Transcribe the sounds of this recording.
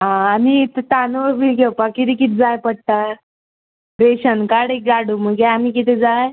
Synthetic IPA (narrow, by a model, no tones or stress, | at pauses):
ɦãːmit̪ət̪anəʋəɾbilɡewpakit̪iːkit̪ːd͡zajpəɽ̚t̪a | ɾeɕənkaɽek̚ɡaɽuməɡeamikit̪ɛd͡zaj